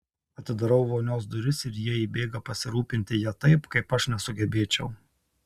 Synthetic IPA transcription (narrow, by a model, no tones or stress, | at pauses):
ɐt̪ʲɪd̪ɐɾɐʊʋoːnʲoːs̬d̪ʊɾʲɪsɪɾjiɛiːbʲeːɡɐpɐsʲɪɾuːpʲɪnʲt̪ʲɪjɛt̪ɐɪpkɐɪpɐʃnʲɛsʊɡʲɛbʲeːt͡ʃʲɛʊ